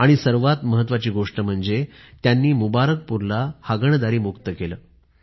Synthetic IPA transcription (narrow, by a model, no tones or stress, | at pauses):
aɽ̃isəɾʋat̪məɦət̪ːʋat͡ɕiːɡoʂʈəm̤əɳd͡zet̪janːiːmubaɾək̚puɾlahaɡəɳd̪aɾiːmukt̪əkeləː